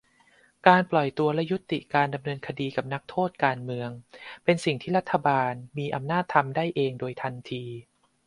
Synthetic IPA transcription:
kaː˧nplɔ˨˩jt̪u˧ɐlɛ˦˥ju˦˥t̪ːḭ˨˩kaː˧nda˧mnɤː˧nkʰa˧diː˧ka˨˩p̚na˦˥k̚t̪ʰoː˥˩t̪̚kaː˧nmɯ˧əŋpe˧nsi˨˩ŋt̪ʰiː˥˩ɾa˦˥t̪ʰːa˧baː˧nmiː˧ʔa˧mnaː˥˩t̪ʰːa˧mdaː˥˩jʔeː˧ŋdoː˧jt̪ʰa˧nt̪ʰiː˧

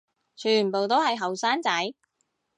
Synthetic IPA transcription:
t͡ʃʰyː˨˩npo˨wt̪o˥whɐ˨jɦɐ˨wsaː˥nt͡sɐ˨˥j

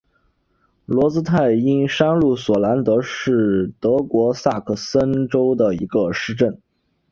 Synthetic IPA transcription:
lwɔ˧˥t͡sɹ̩˥t̪ʰa˥˩ɪi˥nʂa˥nlu˥˩swɔ˨˩la˧˥nt̪ɤ˧˥ʂɻ̩˥˩t̪ɤ˧˥kwɔ˧˥sa˥˩kʰɤ˥˩sə˥nʈ͡ʂo˥ʊd̪ə˨i˧˥ɡə˧ʂɻ̩˥˧ʈ͡ʂə˥˩n

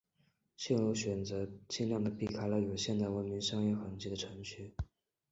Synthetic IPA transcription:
ɕjɛ˥˧nɻu˥˩ɕɥɛ˨˩nt͡sɤ˧˥t͡ɕi˥˧nljɑ˥˩ŋd̪ə˩pi˥˩kʰa˥ɪlə˧jo˨˩ʊɕjɛ˥˧nt̪a˥˩ɪwə˧˥nmi˧˥ŋʂɑ˥ŋjɛ˥˩xə˧˥ŋt͡ɕi˥d̪ə˨˩ʈ͡ʂʰɤ˧˥ŋɕy˥˩

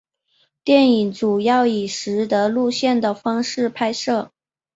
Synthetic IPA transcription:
t̪jɛ˥˩ni˨˩ŋʈ͡ʂu˨˩jɑ˥˩ʊi˨˩ʂɻ̩˧˥d̪ə˧lu˥˧ɕjɛ˥˩nd̪ə˩fɑ˥ŋʂɻ̩˥˩pʰa˥ɪʂɤ˥˩

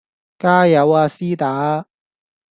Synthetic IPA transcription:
kaː˥jɐ˨˥waː˧siː˥t̪aː˨˥

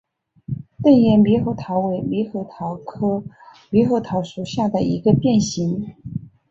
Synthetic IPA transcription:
t̪ə˥˧˩ŋjɛ˧˩nli˧˥xo˥˧˩ʊt̪ʰɑ˧˥ʊwe˧˥ɪli˧˥xɤ˧˩t̪ʰɑ˧˥ʊkʰɤ˥ | li˧˥xo˥˩ʊt̪ʰɑ˧˥ʊʂu˧˥ɕja˥˩d̪ə˩ḭ˧˥ɡə˧pjɛ˥˩nɕi˧˥ŋ

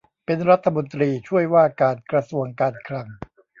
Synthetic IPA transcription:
pe˧nɾa˦˥t̪ʰːa˧mo˧nt̪ɾiː˧t͡ɕʰu˥˩əjwaː˥˩kaː˧nkɾa˧su˧əŋkaː˧nkʰɾa˧ŋ

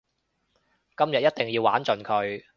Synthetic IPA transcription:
kɐ˥mjɐ˨t̚jɐ˥t̪̚ɪ˨ŋjiː˧waː˨˥nt͡ʃɵ˨nkʰɵ˨˧ɥ

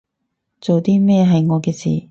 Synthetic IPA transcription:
t͡so˨wt̪iː˥mɛː˥˧ɦɐ˨jŋɔː˨˧kɛː˧sḭː˨˩

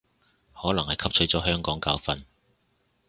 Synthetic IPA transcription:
hɔː˨˥lɐ˨˩ŋhɐ˨jkʰɐ˥p̚t͡ʃʰɵ˨˥ɥt͡sɔː˨˥ɦœː˥ŋkɔː˨˥ŋkaː˨˥wfɐ˨n

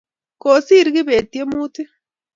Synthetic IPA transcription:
ko˨si˦˨ɾi˦ɣi˦βe˨ti˦e˦muː˦ti˦

